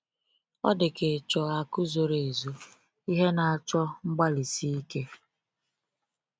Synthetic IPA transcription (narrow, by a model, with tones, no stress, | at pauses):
ɔ̰˦dɪ˨ke˨t͡ʃɔ˨a˨kʊ˦zo˨ɾe˨e˨zu˦ | i˦ɦe˦na˨a˨t͡ʃɔ˦ŋ͡m̩˦ɡ͡ba˦li˨si˦i˦ke˦